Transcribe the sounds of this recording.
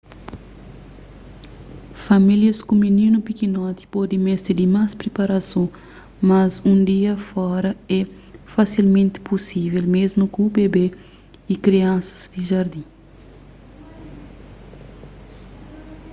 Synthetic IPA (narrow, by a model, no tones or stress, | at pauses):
familjɐskũminĩnupikinɔt̪i̥pɔd̪ẽmɛst̪id̪imaspɾepaɾasõ | mɐzũnd̪iɐfɔɾɐɛ | fasilmẽnt̪ɪ̥pusivelmezmukũbebe | ikɾiɐ̃sɐ̥z̥d̪iʒaɾd̪ĩ